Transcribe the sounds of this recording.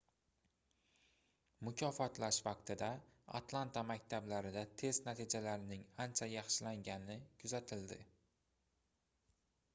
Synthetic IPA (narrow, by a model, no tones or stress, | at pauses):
mʊkʲʰɒfɒt̪laʃvɑq̚t̪ʰɪd̪aa̰t̪lˠant̪ʰamakʲt̪ʰablaɾɪd̪at̪ʰe̞st̪nat̪ʰid͡ʒalaɾɪnɪŋant͡ʃʰajɑχʃɪlaŋɡʲanɪkʰʊzat̪ʰɪld̪ɪ